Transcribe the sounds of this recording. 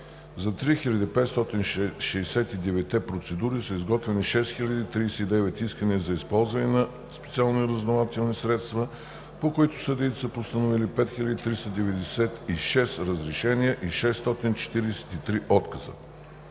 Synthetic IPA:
zɐt̪ɾixilʲɐd̪ipɛt̪st̪ɔt̪inʃʃɛːsɛt̪id̪ɛvɛt̪ːɛpɾot̪sɛd̪uɾisəizɡɔt̪vɛniʃɛsxilʲɐd̪it̪ɾiːsɛid̪ɛvɛt̪iskənizɐispɔlˠzvɐnɛnɐ | spɛ̥t̪sialˠnoiɾəznovat̪ɛlˠnisɾɛt̪st̪və | pokoit̪ʊ̥səd̪it̪səpost̪ənovilipɛt̪xilʲəd̪it̪ɾist̪əd̪ɛvɛd̪ɛsɛt̪iʃɛsɾəzɾɛʃɛniəʔiʃɛst̪ɔt̪int͡ʃɛ̥t̪iɾɛsɛ̥t̪it̪ɾiʔɔt̪kɐzə̰

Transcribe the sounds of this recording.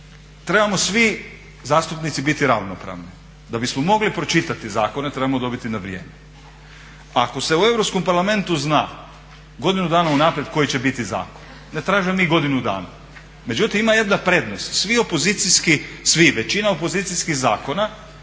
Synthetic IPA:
t̪ɾe̞bamo̞sʋi | zaːst̪upnit̪sibit̪iɾa̰ʋnopɾa̰ːʋni | d̪abismomo̞ɡlipɾo̞t͡ʃit̪at̪izaːko̞ne̞t̪ɾe̞bamo̞d̪o̞bit̪inaʋɾije̞̰ːme | ako̞se̞ue̞vɾo̞psko̞mpaɾlame̞nt̪uzna̰ː | ɡo̞d̪inud̪aːnaunaːpɾjed̪̥ko̞jit͡ɕe̞bit̪iza̰ːkon | net̪ɾaːʒiemiɡo̞d̪inud̪a̰ːna̰ | me̞d͡ʒut̪imimaje̞d̪napɾe̞d̪nost̪sʋio̞po̞zit̪siskisʋiʋe̞t͡ɕinaopo̞ziːt̪siskixzaːko̞na

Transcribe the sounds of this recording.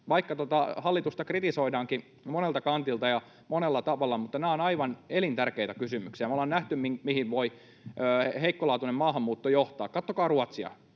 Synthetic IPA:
ʋɑikːɑt̪ot̪ɑhɑlːit̪ust̪ɑkrit̪isoidɑːŋki | monelt̪ɑkɑnt̪ilt̪ɑjɑ | monelːɑt̪ɑʋɑlːɑmut̪ːɑnæːonɑiʋɑnelint̪ærkeit̪ækysymyksiæmæolennæht̪ymmiŋmihiʋʋoi | øːheikːolɑːt̪unemmɑːɦɑmːuːt̪ːojoht̪ɑːkkɑt̪ːokɑːruɑt̪siɑ̰

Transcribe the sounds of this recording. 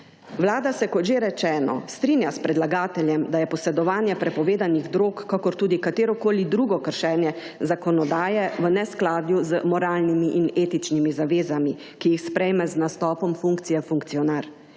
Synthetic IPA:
wlaːd̪asɛkɔt̪ʒeːɾɛt͡ʃɛːnɔ̰st̪ɾinjaspɾɛd̪laɡaːt̪ɛljɛmd̪ajɛpɔsɛd̪ɔʋaːnjɛpɾɛpɔʋeːd̪aniɣd̪ɾoːkːakɔɾt̪uːd̪ikat̪eːɾɔkoːlid̪ɾuːɡɔkəɾʃɛːnjɛ | zakɔnɔd̪aːjɛʋənɛsklaːd̪juzəmɔɾaːlnimiʔineːt̪it͡ʃnimizaʋeːzami | kijixspɾɛjmɛznast̪ɔːpɔmfuŋkt̪sijɛfuŋkt̪sijɔnaɾ

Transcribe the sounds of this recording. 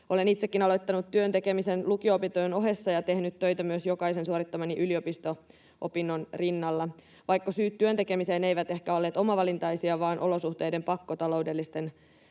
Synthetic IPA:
ʔo̞le̞nit̪sekːinɑlojt̪ːɑnut̪ːyønt̪eke̞misenlukiopit̪ojno̞ɦe̞sːɑjɑt̪e̞hnyt̪tøjt̪æmyøsjo̞kɑise̞nsuoɾit̪ːɑmɑniʔylio̞pist̪o | ʔo̞pinːonrinːɑlːɑ | ʋɑjkːɑsyːt̪tːyøt̪eke̞miseːnejʋæt̪e̞hkæo̞lːeːt̪o̞mɑʋɑlint̪ɑjsiɑʋɑːnʔo̞lo̞suht̪e̞jde̞mpɑkːot̪ɑlo̞wdelːist̪en

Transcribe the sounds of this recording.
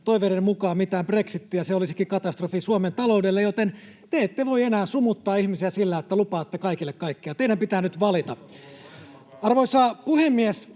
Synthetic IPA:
t̪oiʋeɾemukɑːmit̪æːmbreksit̪ːijɑseolisikikɑt̪ɑst̪rofisuoment̪ɑloudelːejot̪en | t̪eet̪ːeʋoienæːsumut̪ːɑːihmisiæsilːæet̪ːælupɑːt̪ːekɑikilːekkɑikːiɑt̪eidæmpit̪æːnyt̪ʋɑlit̪ɑ | ɑrʋoisɑpuhemːies

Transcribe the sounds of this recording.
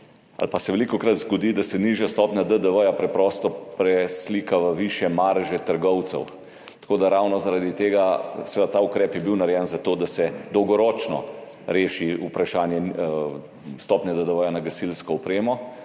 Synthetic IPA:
a̰lpasɛʋɛlikɔkɾat̪zɡɔd̪id̪asɛniʒjast̪ɔːpnʲjad̪əd̪əʋəjapɾɛpɾɔːst̪ɔpɾɛsliːkaʋəʋiʃjɛmaɾʒɛt̪əɾɡɔwt̪sɛ̰w | t̪ḁkoːd̪aɾawnɔzaɾad̪it̪eːɡasɛʋed̪at̪aːukɾɛːpjɛbiwnaɾjɛnzat̪oːd̪asɛd̪ɔwɡɔɾɔːt͡ʃnɔ̰ | ɾeːʃiupɾaʃaːnjɛ | st̪ɔːpnʲjad̪əd̪əʋəjanaɡɐsilskɔɔpɾeːmɔ

